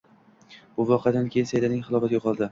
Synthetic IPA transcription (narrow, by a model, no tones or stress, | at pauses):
b̥ʊvɒqʰɪjad̪ankʲʰejɪnsajd̪anɪŋχɨlˠɒfat̪ɡʲoqʰɒlˠd̪ɪ